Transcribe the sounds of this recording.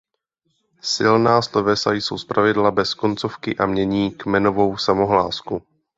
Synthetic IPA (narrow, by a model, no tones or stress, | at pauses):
sɪlnaːslovɛsajso̞wspɾʔavɪdlabɛsko̞nt͡so̞fkɪʔamɲɛɲiːkmɛno̞vo̞wsamo̞ɦla̰ːsku